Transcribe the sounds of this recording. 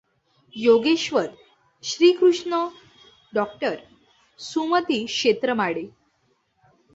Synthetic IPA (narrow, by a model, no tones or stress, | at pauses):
joɡeɕʋəɾ | ɕɾiːkɾuʂɳə | ɖɔkʈəɾ | sumət̪iːkɕet̪ɾəmaɽe